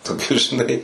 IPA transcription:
toːˈkʲʊs ʒʲɪˈnɐɪ

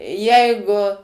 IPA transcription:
ˈjɛɪɡʊ

